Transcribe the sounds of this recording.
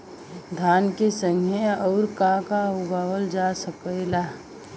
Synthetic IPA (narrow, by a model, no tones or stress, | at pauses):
d̪ʱaːnkesə̃ŋɡʱjeɔːɾkakaʊɡaːwəld͡ʒasəkəɪla